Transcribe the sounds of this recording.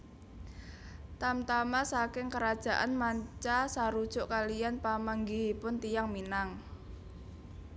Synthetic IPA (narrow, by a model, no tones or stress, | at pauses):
t̪amt̪amasakɪŋkəɾad̥ʒ̥a̤ʔanmaɲt͡ʃasaɾud̥ʒ̥ʊʔkalijanpaməŋɡiipʊnt̪ijaŋminaŋ